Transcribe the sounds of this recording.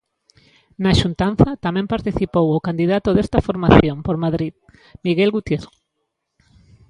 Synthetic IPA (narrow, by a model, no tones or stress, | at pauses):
naʃunt̪anθɐt̪amɛ̃mpaɾt̪iθipowokand̪iðat̪oðest̪ɐfoɾmaθjompoɾmaðɾið | miɣelɣut̪jero